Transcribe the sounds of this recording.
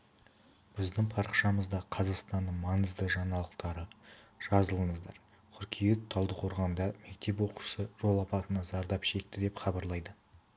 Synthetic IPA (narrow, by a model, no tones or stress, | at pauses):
b̥ɪzd̪ɪɴpʰɑɾəqʃɑməzd̪ɑqʰɑzɑqst̪ɑnd̪əɴmɑŋəzd̪əʒɑnɑlˠəqt̪ɑɾəʒ̥ɑzəlˠəɴəzd̪ɑ̰ɾ | qʰʏɾkʲʰijet̪t̪ʰːɑlˠd̪əqʰo̞ɾʁɑnd̪ɑme̞k̚t̪e̞pwo̞qu̥ʃə̥səʒo̞lˠɑpɑt̪ənɑzɑɾd̪ɑpʃe̞k̚t̪ɪd̪e̞pχɑbɑɾlˠɑjd̪ə